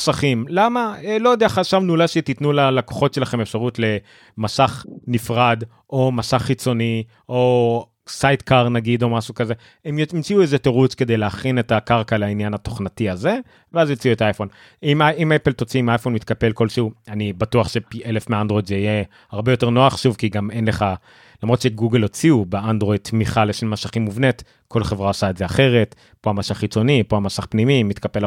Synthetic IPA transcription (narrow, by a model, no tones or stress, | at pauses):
saχimlamaelo̞jod̪eaχaʃavnulaʃet̪it̪nulalako̥χo̞tʃe̞laχemefʃaʁutle̞ | masaχnifʁad̪ | ʔo̞masaχːit͡so̞ni | ʔo̞ | sajt̪kaʁnaɡid̪o̞maʃukaze̞ | emimt͡siuezeteʁut͡ske̞d̪ejleaχine̞takaʁkaleainjanhat̪o̞χnatiaze̞ | veazimt͡siuetaajfo̞n | imaimepelt̪ot͡siimajfonmit̪kape̞lko̞lʃeuanibatuaχʃe̞piʔelefmeaandʁojdzeije | haʁbejo̞te̞ʁno̞aχʃuvkiɡame̞nle̞χa | lamʁo̞t̪ʃe̞ɡuɡelot͡siubeand̪ʁo̞id̪̚t̪miχaleʃenmaʃaχimːuvne̞t | ko̞lχe̞vʁaosaezeaχe̞ʁe̞t | po̞amasaχit͡so̞nipoamasaχpnimimit̪kapel